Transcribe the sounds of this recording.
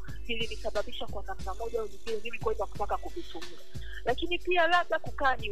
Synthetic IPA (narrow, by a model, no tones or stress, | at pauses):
vilinisaɓaɓiʃakwanam̩namɔʄaɛvipilɛmimikainaku̥takakuvitumɾa | lakinipialaɓɗakukaːni